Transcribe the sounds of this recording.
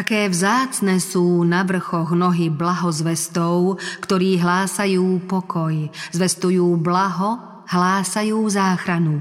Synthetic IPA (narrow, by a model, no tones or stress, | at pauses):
t̪akɛːvzaːt͡snɛsuːnaʋr̩xɔɣnɔɦiblaɦɔzʋɛst̪ɔʊkt̪ɔɾiːɦlaːsajuːpɔkʰɔjzʋɛst̪ujuːblaɦɔ | ɦlaːsajuːzaːxɾanu